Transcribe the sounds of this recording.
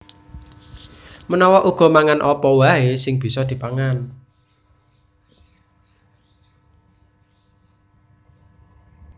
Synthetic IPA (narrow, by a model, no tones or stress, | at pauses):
mənɔwɔʔuɡ̥ɔ̤maŋanʔɔpɔwaɦesɪŋb̥i̤sɔd̪̥i̤paŋan